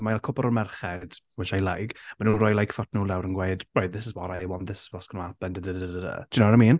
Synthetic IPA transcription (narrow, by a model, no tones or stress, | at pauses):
malˠkʰʊbɔɾɔmɛrχɛd̥wɛʃajlˠajɡ̥manuːnrɔjlˠajkʰfɔtʰnuːlawɾənɡweɨdɔjððɪsɪzbɔɾajwɔnðɪsɪ̥zbɔskənuabɛndədədəddədə̰d̥ʊnoɔɾajmiːn